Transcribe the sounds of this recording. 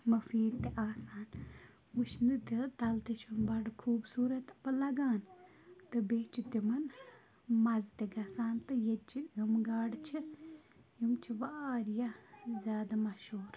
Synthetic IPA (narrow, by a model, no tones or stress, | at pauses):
mɐfiːd̪̚t̪eʔaːsaːn | ut͡ʃʰnɨt̪iɾt̪ɐlt̪it͡ʃʰumbɐɖkʰuːbsuːɾɐt̪pɐlɐɡaːn | t̪ɨbeːt͡ʃʰut̪imɐn | mɐzt̪eɡɐsaːnt̪ɨjet͡ʃijumɡaːɖt͡ʃʰi | jumt͡ʃʰiʋaːɾjazʲjaːd̪amɐʃuːɾ